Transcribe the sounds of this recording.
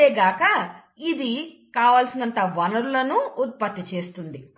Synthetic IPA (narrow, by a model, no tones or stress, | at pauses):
eːɡaːkɐ | id̪i | kaːʋaːlsinɐnt̪ɐʋɐnɐɾulɐnuːt̪̚pɐt̪ːit͡ʃe̞ːst̪und̪i